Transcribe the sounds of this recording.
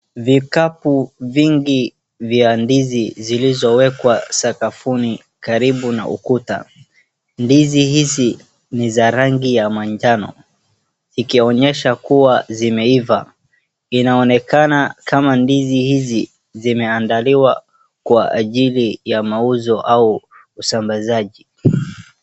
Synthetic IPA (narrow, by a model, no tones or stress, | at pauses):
vikapuviŋɡi | vjandizizilizɔwɛkwasakafuni | kaɾiɓuna̰ʔṵkuta̰ | ndizihizi | nizaɾaŋɡijamaɲd͡ʒanɔ̰ | zikiɔɲɛʃakuwazimɛiva | inaɔnɛkanakamandizihizi | zimɛandaliwa | kwa̰ːʄilijamauzɔʔauː | sambazaʄi